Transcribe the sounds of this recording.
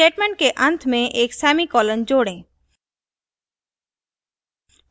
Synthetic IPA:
eʈmẽɳʈkeʔə̃nt̪ʰmẽʔeksamikɔlənd͡ʑoɽẽ

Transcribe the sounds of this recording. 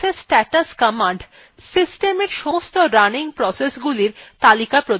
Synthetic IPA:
esʈɛʈaskamaɳɖ | sisʈemeɾʃost̪oɾaniŋpɾɔsesɡuliɾt̪alikapɾo

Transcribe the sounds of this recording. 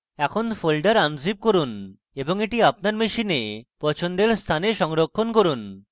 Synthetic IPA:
ɛkʰonfolɖaɾand͡ʑib̚koɾun | eboŋeʈiap̚naɾmeʃinepɔt͡ɕʰond̪eɾst̪ʰaneʃɔŋɾokʰːonkoɾun

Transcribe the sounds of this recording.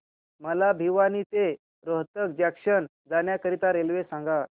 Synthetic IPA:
məlabʱiʋaniːt̪e | ɾoɦt̪ək̚d͡ʑakʂən | d͡zanjakəɾit̪aɾelʋesãŋɡa

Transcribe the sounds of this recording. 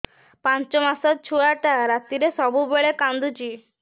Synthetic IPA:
pãɲt͡ʃɔmasɔt̪̚t͡ʃʰuɭaʈaɾat̪iɾesɔbubeɭekãnd̪ut͡ɕi

